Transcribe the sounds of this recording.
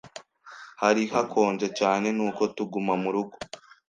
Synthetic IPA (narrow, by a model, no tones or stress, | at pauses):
haɾihakʰo̞ːɲd͡ʒe̞caːne̞nuːko̞tuɡumamuɾuɡo